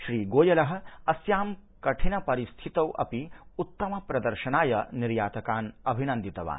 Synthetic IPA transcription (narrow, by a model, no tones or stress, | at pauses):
ʃɾiːɡoːjɐlɐɦɐ̆ɐsjaːmkɐʈʰinɐpɐɾist̪ʰit̪ɐwʔɐ̰piut̪ːɐmɐpɾɐd̪ɐɾʃɐnaːjɐniɾjaːt̪ɐkaːnɐbʱinɐnd̪it̪ɐʋa̰ːn